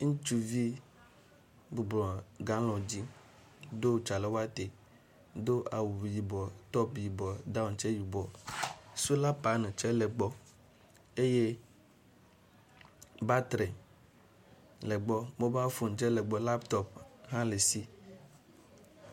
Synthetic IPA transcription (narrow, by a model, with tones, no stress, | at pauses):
ŋ̩̃˦t͡ʃu˨vi˦ | bu˨ɡ͡blɔ̃˨ɡã˨˦lɔ̃˨d͡ʑi˦ | d̪o˦t͡ʃa˨le˨wo˦a˦t̪e˨ | d̪o˦ʔa˨wu˨ji˨bɔ˨t̪ɔ˦pji˨bɔ˨d̪a˦u˨nt͡ʃɛ˦ji˨bɔ˨ | su˦la˦pa˨nẽ˨t͡ʃɛ˦lɛ˨ɡ͡bɔ˦ | e˦je˦ | ba˦t̪ɾɛ˨ | lɛ˨ɡ͡bɔ˦bo˦ba˦fo˨n˨t͡ʃɛ˦lɛ˨ɡ͡bɔ˨la˦pt̪ɔ˦p̚ɦã˦le˨si˦